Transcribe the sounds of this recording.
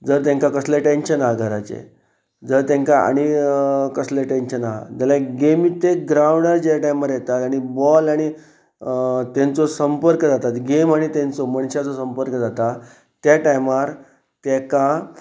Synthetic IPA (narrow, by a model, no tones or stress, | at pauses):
d͡zəɾt̪̬ẽŋkakəsleʈenɕənaɦɡʱəɾat͡sḛ | d͡zəɾt̪ẽŋkaa̰ɽ̃ikəsleʈenɕənaɦd͡zəlaɡemit̪eɡɾawɳəɾd͡ʑeʈajmaɾjɛt̪at̪aɽ̃ibɔlaɽ̃i | t̪ẽnt͡sɔsəmpəɾkəd͡zat̪at̪ɡemaɽ̃it̪ẽnt͡soməɳɕat͡sosəmpəɾkəd͡zat̪a | t̪ːjaʈajmaɾ | t̪ɛka